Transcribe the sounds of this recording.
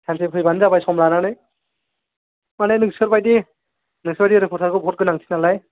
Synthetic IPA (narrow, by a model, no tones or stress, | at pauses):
tʰansʰipʰɯjbanzabajsɔmɾananɯj | manenɯksɯɾbajdi | nɯksbajdiɾepʰɔɾsʰaɾkɯbɦɔt̚ɡɯnaŋtʰi̥nalaj